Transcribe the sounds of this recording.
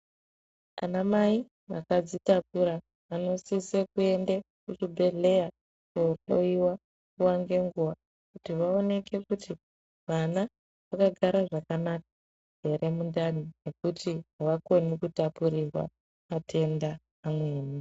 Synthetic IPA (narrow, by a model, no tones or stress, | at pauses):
a̰namai | ʋa̰kad͡zitapuɾa | ʋano̞sisekue̞nde | kut͡ʃibʱe̞ɮe̞ja | kooiwa | kuwaŋɡe̞ŋɡuʋa | kutiʋao̞ne̞kʰe̞kutʰi | ʋana | ʋakaɡʱaɾaʐakanak̚ḁ | ɦe̞ɾʔe̞mundanine̞kutʰiɦaʋako̞nikutapuɾirwa̰ | matʰe̞ndaː | mweːni